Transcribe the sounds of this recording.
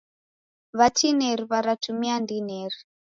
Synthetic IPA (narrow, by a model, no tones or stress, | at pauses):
βatʰineɾiβaɾatʰumiandineri